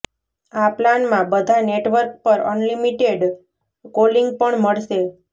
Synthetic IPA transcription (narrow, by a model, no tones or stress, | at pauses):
aplanmãbəd̪ʱaneʈʋəɾk̚pəɾə̰nlimiʈeɖ | koliŋɡ̚pəɳməɭʃe